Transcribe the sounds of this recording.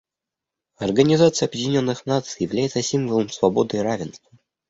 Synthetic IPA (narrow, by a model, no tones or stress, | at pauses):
ɐrɡənʲɪzat̪sɨjɐbjɪdʲɪnʲo̞nːɨxnat̪sɨjɪvlʲæjɪt̪səsʲimvəlˠəmsvɐbo̞d̪ɨɾavʲɪnst̪və